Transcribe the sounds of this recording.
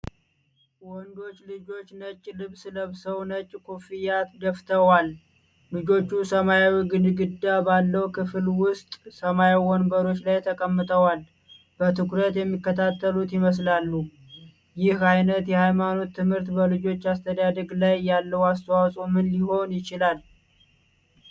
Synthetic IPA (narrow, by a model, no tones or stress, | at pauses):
wɔnd̪o̞t͡ʃːlɨd͡ʒo̞t͡ʃːnət͡ʃʼːlɨβsɨləβsəwnət͡ʃʼːkʰofijat̪ɡəft̪ʰəwalː | ɨd͡ʒo̞t͡ʃːusəmajawiɡɨnɨɡɨd̪ːabalːəwkʰɨflwʊst̪ʼsəmajawɔnbəɾo̞t͡ʃːlajt̪ʰəkʼəmːɨt̪ʼəwal | bət̪ʰɨkɾət̪jɛmːikːət̪ʰat̪ʰːəlut̪jɪməs̬lalːu | jɪhajnət̪jɛhajmano̞t̪ʰːɨmhɨɾt̪bəlɨd͡ʒo̞t͡ʃːast̪ʰəd̪ad̪əɡlajjalːəwast̪ʰəwawsʼomɨnliho̞njɪt͡ʃɪlal